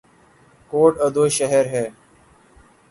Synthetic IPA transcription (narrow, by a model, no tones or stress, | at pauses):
koːʈəd̪oːʃəɦeɾɦɛː